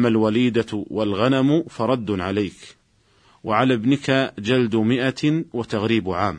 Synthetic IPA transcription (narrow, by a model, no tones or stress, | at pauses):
mːalwaliːd̪awalɣanamfɑɾˤɑd̪ːʕalajk | waʕalabnɪkad͡ʒald̪mɪʔawat̪aɣɾiːbʕaːm